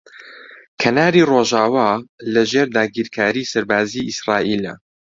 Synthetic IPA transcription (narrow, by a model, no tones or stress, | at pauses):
kʰɐnaːɾiːroʒaːwaːlɐʒeːɾd̪aːɡiːɾkʰaːɾiːsɐɾbaːziːisraːʔiːlɐ̰